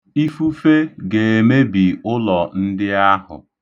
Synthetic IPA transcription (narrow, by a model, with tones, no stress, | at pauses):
i˦fu˦fe˦ɡe˨e˨me˦bi˨ʊ˦lɔ˨n̩˦dɪ˦a˦ɦʊ̰˨